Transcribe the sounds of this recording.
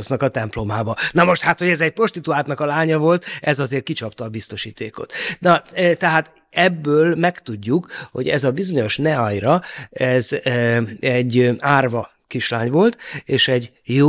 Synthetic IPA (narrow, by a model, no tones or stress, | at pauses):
znɒkɒt̪ɛmplo̞maːbɒnɒmo̞ʃt̪hat̪ho̞ɟɛzɛc̚pro̞ʃt̪it̪uaːt̪nɒkɒlaːɲɒvo̞lt̪ɛzɒzeːrt̪̚kit͡ʃɒpt̪ɒːbist̪o̞ʃiːt̪eːko̞̰t̪nɒt̪ɛɦaːt̪ | ɛbːøːlmɛkt̪uɟːukho̞̰ɟɛ̰zɒbizo̞ɲo̞ʃnɛɒjɾɒɛz | ɛɟːaːrvɒ | kiʃlaːɲvo̞lt̪eːʃɛɟ | joː